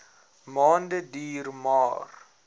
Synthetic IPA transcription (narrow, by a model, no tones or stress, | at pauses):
mɑːndədiːrmɑːr